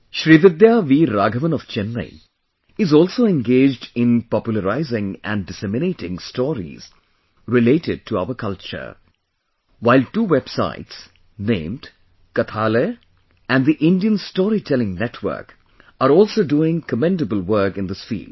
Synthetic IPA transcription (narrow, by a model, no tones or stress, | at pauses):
ʃɾiʋɪd̪jaʋiːɾaːɡəʋə̃nɔʋt͡ʃɛ̃nːə̰ɪ | ɪzɔːlˠsoːɛ̃nɡeːd͡ʒdɪ̃npɔpjʊləɾaɪzɪ̃ŋæ̰̃nɖɪsɛmɪneːʈɪ̃ŋstɔːɾḭz̥ | ɾɪleːʈɪɖ̚ʈʰua̰ʊəkʰʌlt͡ʃə̰ɾ | waɪlʈuːwɛb̥sa̰ɪʈs | nḛ̃ːmɖ | kət̪ʰaːle | æ̃nd̪iʔɪ̃nɖiə̃nstɔːɾitʰɛlɪ̃ŋnɛtʰwə̰ɾk | aɾɔːlsoɖuːɪ̃ŋkəmɛ̃ndəbəlˠwəɾkɪ̃nd̪ɪsfḭːld̥